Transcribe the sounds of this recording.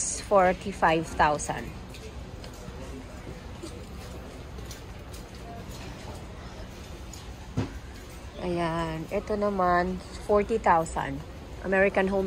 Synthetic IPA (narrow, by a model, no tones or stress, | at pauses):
sfɔɹt̪ifajvt̪awsã̰nd̪ | ʔɐjanʔɛt̪onɐmanfɔɹt̪it̪awsã̰nd̪ | ʔɐ̰mɛɹɪkɐnɦom